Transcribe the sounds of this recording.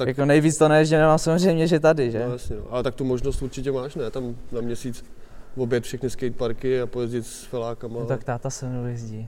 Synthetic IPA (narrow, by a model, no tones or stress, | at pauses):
t̪ajakonɛjviːt͡st̪onɛjɛzɟɛnɛvaːmsamozr̝ɛjmɲɛʒɛt̪adɪʒɛjasɲɛno̰ʔalɛt̪ak̚t̪umoʒnost̪uɾt͡ʃɪcɛmaːʃnɛːt̪amnamɲɛsiːt͡svobjɛt̪fʃɛxnɪskɛjt̪̚paɾkɪapojɛzɟɪt̪sfɪlaːkamaot̪akt̪aːt̪asɛnujɛzɟi